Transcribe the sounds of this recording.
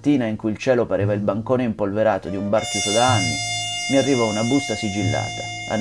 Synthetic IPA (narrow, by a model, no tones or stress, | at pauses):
t̪ːiːnaiŋkuilt͡ʃɛːlopaɾʔɛːvailbaŋkoːneimpolveɾaːt̪od̪iumbart̪it̪od̪aanːḭmiarːivɔunabust̪asid͡ʒilːa̰ːt̪a | a̰